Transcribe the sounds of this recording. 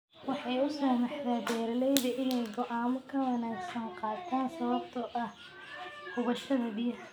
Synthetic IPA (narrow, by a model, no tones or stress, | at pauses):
wɑħɑjʊsaːmɑħd̪aːd̪ɛːɾlɛjðɐʔɪnɛjɡɔʔaːmʊkʰɐwɐnaːɡsɐŋqɑːt̪ʰaːnsɐβɐbt̪ʰɐʔɐh | hʊβɐʃɐðɐbɪjɐħ